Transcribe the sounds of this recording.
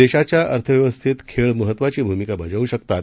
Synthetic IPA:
eɕat͡ɕjaʔəɾt̪ʰəʋjəʋəst̪ʰit̪kʰeɭməɦət̪ːʋat͡ɕiːbʱumikabʱəd͡zəʋuɕəkt̪at̪

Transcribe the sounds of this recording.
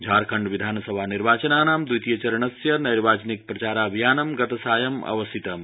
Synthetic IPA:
d͡ʒʱaːɾkʰɐɳɖʋid̪ʱaːnɐsɐbʱaːniɾʋaːt͡ʃɐnaːnaːmd̪ujt̪ijɐt͡ʃɐɾɐɳɐsjɐnɐjɾʋaːt͡ʃɐnik̚pɾɐt͡ʃaːɾaːbʱijaːnɐmɡɐt̪ɐsaːjɐmɐ̰ʋɐst̪ʰit̪ɐm

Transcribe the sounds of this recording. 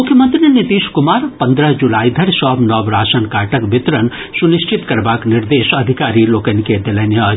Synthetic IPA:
mʊkʰjəmə̃nt̪ɾinɪt̪iːʃkʊmaːɾpɐ̃nd̪ɾəd͡ʒulaːid̪ʱɐɾsɔːbnɔːbɾaːʃənkaːʈəkbɪt̪ɾən | sʊnɪʃt͡ʃɪt̪kɐɾbaːknɪɾd̪eːʃɐd̪ʱɪkaːɾiloːkəniked̪ɐlɐnjə

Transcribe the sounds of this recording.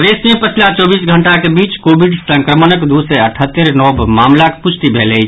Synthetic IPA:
d̪esnepət͡ʃʰlat͡ʃɔbisɡʱəɳʈakebit͡ʃkobʱiɖsə̃ŋkɾəmənəkd̪useəʈʰət̪ːəɾnɔbmamlakepust̪ibʱelɛ

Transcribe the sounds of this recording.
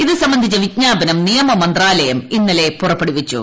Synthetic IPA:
iðɨsɐmbɐnd̪ʱit͡ɕːɐʋitɲaːbɐnɐmnijɐmɐmɐnd̪raːlɐjɐminːɐle̞purɐpːeɽuʋit͡ɕːṵ

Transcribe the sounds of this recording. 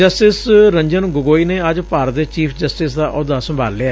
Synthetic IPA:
d͡ʒəsʈɪsɾə̃ɲd͡ʒənɡʊɡoːiːneːəd͡ʒpaːɾət̪et͡ʃiːpʰd͡ʒəsʈɪsd̪aːʔʊd̪aːsə̃mbʱaːlleaː

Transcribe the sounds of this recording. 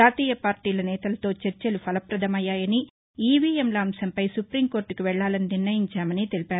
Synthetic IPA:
aːt̪iːjɐpaːɾʈiːlɐnɛːt̪ɐlɐt̪o̞ːt͡ʃeɾt͡ʃelupʰɐlɐpɾɐd̪ʱɐmɐjːaːjɐni | iːʋiːemlaːmsɐmpɐjsupɾiːmko̞ːɾʈːukiʋɛɭːaːlɐniniɾnɐjiɲt͡ʃaːmɐnit̪e̞lipaːɾu

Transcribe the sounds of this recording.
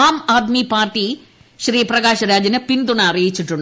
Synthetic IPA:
aːmaːd̪mipaːrʈːi | ʃɾiːprɐɡaːʃɐɾaːd͡ʑɐnɐpind̪uɳɐɐrijit͡ɕːiʈːuɳɖ

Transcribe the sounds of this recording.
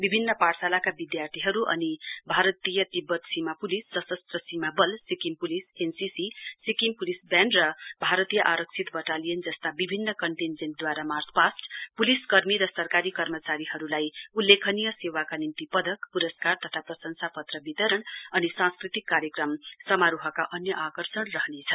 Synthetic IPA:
bibʱinːʌparsalakabid̪jart̪ʰiɦʌɾuʔʌ̰nibʱaɾʌt̪ijʌt̪ibːʌt̪simapulisːʌsʌst̪rʌsimabʌlsikimpulisensisisikimpulisbjanɖrʌbʱaɾʌt̪ijʌʔaɾʌk̚t͡sʰit̪bʌʈalijʌnd͡zʌst̪abibʱinːʌkʌɳʈind͡zenʈ̚d̪waɾamarspasʈpuliskʌrmiɾʌsʌrkaɾikʌrmʌt͡saɾihʌɾulajulːekʰʌnijʌsewakanimt̪ipʌd̪ʱʌkpuɾʌskart̪ʌt̪ʰaprʌsʌnsapʌt̪rʌbit̪ʌɾʌɳʌnisãskrit̪ikːaɾjʌkrʌmsʌmaɾuɦʌkaʔʌnjʌʔakʌrsʌɳrʌɦnet͡sʰʌn

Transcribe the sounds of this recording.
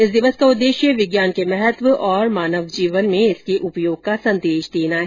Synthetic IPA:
ɪsd̪ɪʋəskaʊd̪ːeːʃjəʋɪɡjaːnkemɛɦət̪ʋəʔɔːɾmaːnəʋd͡ʒiːʋənmẽɪskeʔʊpjoːɡ̚kasɐ̃nd̪eːʃd̪eːnaɦɛ

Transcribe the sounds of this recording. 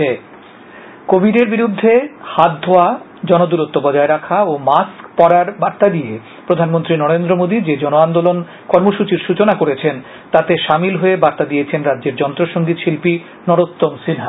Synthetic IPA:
e | kobʱiɖeɾbiɾud̪ʱːehat̪̚d̪ʱoa | d͡ʑɔnod̪uɾot̪ːobɔd͡ʑaeɾakʰaomaskpɔɾaɾbaɾt̪ad̪ije | pɾod̪ʱanmont̪ɾinɔɾend̪ɾomod̪id͡ʑed͡ʑɔnoand̪olon | kɔɾmoʃut͡ɕiɾʃut͡ɕonakoɾet͡ɕʰen | t̪at̪eʃamilɦoebaɾt̪ad̪ijet͡ɕʰenɾadːd͡ʑeɾd͡ʑɔnt̪ɾoʃoŋɡit̪ʃilpi | nɔɾot̪ːomsinɦa

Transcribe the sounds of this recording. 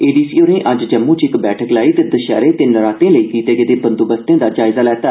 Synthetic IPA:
eːɖiːsiːoːnẽːʔəd͡ʒd͡ʒəmːũːt͡ʃɪkbɛːʈʰəklaːiːt̪eːd̪əʃa̰ːɾeːt̪eːnəɾaːt̪ẽːləiːk̪iːt̪eːɡeːd̪eːpənd̪ubəst̪ẽːd̪aːd͡ʒaːɪzaːlɛːt̪aː

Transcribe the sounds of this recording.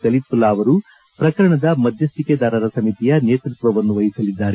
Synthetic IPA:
kɐlit̪̚pulaːʋɐɾu | pɾɐkɐɾɐɳɐd̪ɐmɐd̪ʱjɐst̪iked̪aːɾɐɾɐsɐmit̪ijɐneːt̪ɾut̪ʋɐʋɐnːuʋɐjisɐlid̪ːaːɾe

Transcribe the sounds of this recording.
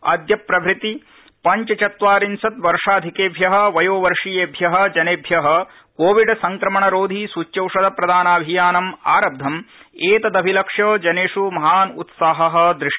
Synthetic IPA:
ɐ̰d̪jɐpɾɐbɾit̪i | pɐɲt͡ʃɐt͡ʃɐt̪ʋaːɾinsɐt̪ʋɐɾʂaːd̪ʱikeːbʱjɐɦɐ̆ʋɐjoːʋɐɾʂijeːbʱjɐɦɐ̆d͡ʒɐneːbʱjɐɦɐ̆ | koːʋiɖsɐŋkɾɐmɐɳɐɾoːd̪ʱisut͡ʃjɐwʂɐd̪ɐpɾɐd̪aːnaːbʱijaːnɐmaːɾɐb̚d̪ʱɐmeːt̪ɐd̪ɐbʱilɐkʂjɐːd͡ʒɐneːʂumɐɦaːnṵt̪saːɦɐɦɐ̆d̪ɾɪʂɐ

